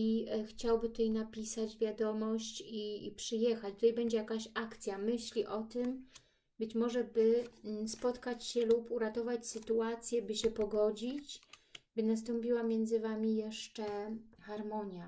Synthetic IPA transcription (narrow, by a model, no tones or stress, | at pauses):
ixt͡ɕawbɘt̪ut̪ajnapʲisad͡ʑvʲjad̪ɔmɔɕt͡ɕḭpʂɘjɛxat͡ɕt̪ut̪ajbɛɲd͡ʑɛjakaɕakt̪sʲjamɘɕlʲiʔɔt̪ɘm | bɘt͡ɕmɔʐɛbɘspɔt̪kat͡ɕɕɛlupuɾat̪ɔvat͡ɕsɘt̪uat̪sʲjɛbɘɕɛpɔɡɔd͡ʑit͡ɕbɘnas̬t̪ɔmpʲiwamʲjɛnd̪zɘvamʲijɛʂt͡ʂɛxaɾmɔɲja